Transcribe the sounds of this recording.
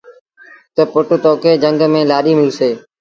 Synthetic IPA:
t̪əpʊʈt̪oːkeːd͡ʒəŋɡmẽːlaːɗiːmɪlseː

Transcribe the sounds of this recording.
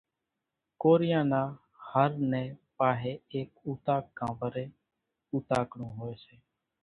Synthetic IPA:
koːɾɪjãːnaː | həɾnɛ̃ːpaːɦeːeːkuːt̪aːkːãːʋəɾeː | uːt̪aːkɽũːɦoːeːseː

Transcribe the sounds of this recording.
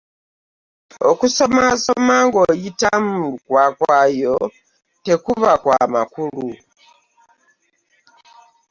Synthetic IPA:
okusomasomaŋɡojitamuuukwakwajo | tekuβakwa̰ma̰kulu

